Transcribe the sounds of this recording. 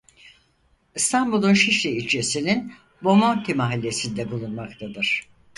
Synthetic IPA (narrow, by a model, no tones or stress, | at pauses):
ist̪ʰambulˠunʃiʃlʲiilʲt͡ʃʰesinin | bo̞mont̪imaɦilʲːe̞sind̪ɛbulˠunmakt̪ʰad̪ɯɾ̝̥